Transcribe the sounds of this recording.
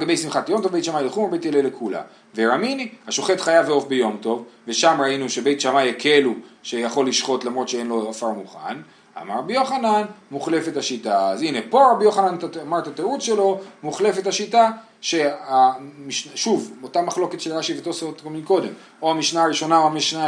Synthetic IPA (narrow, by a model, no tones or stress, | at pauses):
alɡabe̞jsimχatjo̞mto̞vbe̞jt̪ʃamajleχumabejt̪jelelekula̰ | veɾaminihaʃo̞χe̞t̪χajaveo̞fbejo̞mto̞vve̞ʃamʁainuʃe̞be̞jtʃamajkʰe̞luʃejaχo̞lːiʃχo̞t̪lamʁo̞t̪ʃeenlo̞afaʁmuχa̰n | a̰maʁabijo̞χananmuχle̞fe̞taʃitaːzinepo̞ʁabijoχananaamaʁt̪ateut͡sʃelo̞muχle̞fe̞thaʃita | ʃe̞amiʃnaʃuvotamaχlo̞ke̞t̪ʃelʁaʃivetosotkominko̞d̪e̞̰m | oamiʃnaːʁiʃo̞naoamiʃna